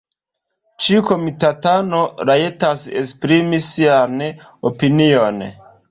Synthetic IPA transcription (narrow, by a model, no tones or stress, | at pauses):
t͡ʃikomitatanoɾaetasḛspɾimisian | opinion̰